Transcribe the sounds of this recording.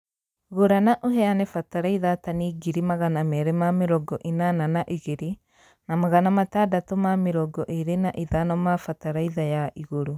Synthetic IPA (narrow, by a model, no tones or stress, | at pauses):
ɣoɾanaʔoɦɛanɛfataɾaiðataniɡiɾimaɣanamɛɾɛmameɾɔɡɔʔenananaʔiɣeɾi | namaɣanamatadatomameɾɔɡɔʔeɾenaʔiðanɔmafataɾaiðajaʔiɣoɾo